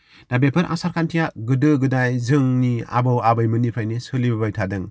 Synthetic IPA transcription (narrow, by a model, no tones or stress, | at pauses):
d̥abepʰɯɾʔa̰saɾkʰantʰijaɡɯdɯɡɯdajzɯŋnia̰bɯwabɯjmɯnipʰajnisɯlibabajtʰadɯŋ